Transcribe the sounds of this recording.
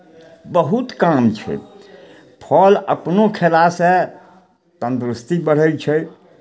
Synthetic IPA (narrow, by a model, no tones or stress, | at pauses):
bəɦut̪kamt͡ʃʰɛ̰ | pʰɔlə̰pnokʰelase | t̪ənt̪ɾust̪ibəɽ̤əjt͡ʃʰɛ